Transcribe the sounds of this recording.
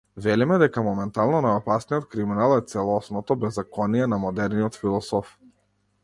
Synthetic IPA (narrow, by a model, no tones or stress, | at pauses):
vɛlimɛd̪ɛkamɔmɛnt̪alˠnɔnajɔpasnijɔt̪̚kɾiminalˠɛt̪sɛlˠɔsnɔt̪ɔbɛzːakɔnijɛnamɔd̪ɛɾniɔt̪filˠɔsɔf